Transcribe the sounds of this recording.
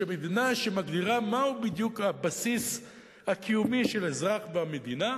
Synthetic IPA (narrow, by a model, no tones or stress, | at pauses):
emed̪inaʃe̞maɡdiʁamaubid̪jukabasis | hakʰijumiʃe̞lezʁaχveamed̪ina